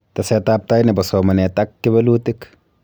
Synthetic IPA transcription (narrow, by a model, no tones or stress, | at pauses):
t̪ɐsɛt̪aːp̚t̪ajnɛbɐsɔmɐnɛt̪akːɪbɐluːt̪ɪk